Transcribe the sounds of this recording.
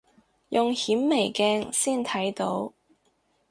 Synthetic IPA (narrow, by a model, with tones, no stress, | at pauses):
jʔʊ˨ŋhiː˨˥mːe˨˩jkɛː˧ŋsiː˥˩nt̪ʰɐ˨˥jt̪o˨˥w